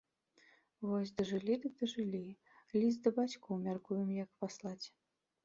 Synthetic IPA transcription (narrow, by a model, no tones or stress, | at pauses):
vɔsʲd̪ɐʐɨlʲid̪ɨd̪ɐʐɨlʲi | lʲis̬t̪d̪ɐbat͡sʲkuwmʲarkujɛmjɐkpaslˠat͡sʲ